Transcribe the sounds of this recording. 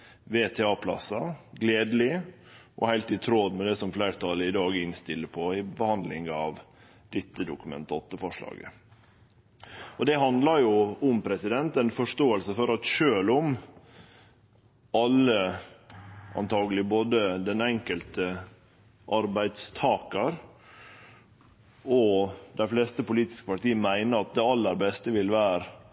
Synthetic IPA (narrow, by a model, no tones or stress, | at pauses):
ʋeːt̪ʰɛːɑːpʰlɑ̰sɑɡleːd̪əlɪ | ʔɔ̰hæɪlt̪ɪt̪ʰɾod̪mɛd̪ɛsɔmflæɪɾt̪ʰɑləɪd̪ɑːɡɪnst̪ɪlːəpʰɔɪbəhɑnd̪lɪ̰ŋɑʋ | d̪̥ɪt̪ːəd̪ʊkʉmɛ̰nt̪əɔt̪ːəfɔʂɭɑ̰ːɡə̰ | ɔd̪ɛɦɑnd̪lɑɾjʊʊmpʰɾɛsɪd̪ɛnt̪ɛnfɔʂt̪oːəlsəfɔɾɑt̪ʃøːlʊm | ɑlːə | ɑ̰nt̪ʰɑːɡəlɪboːd̪əd̪ɛnɛŋkəlt̪ə | ʔɑɾbæɪd̪st̪ʰɑːkɑɾ | ɔd̪æɪflɛːst̪əpʊliːt̪ɪ̥skəpɑʈiːəmæɪnəɾɑt̪̚d̪ɛɑlːəɾbɛst̪əʋɪlʋæːɾ